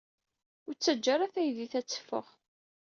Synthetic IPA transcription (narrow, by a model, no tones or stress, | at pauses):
ʊɾt͡sːəd͡ʒːaɾæθæjðiθæt͡sːə̥fːə̰ʁ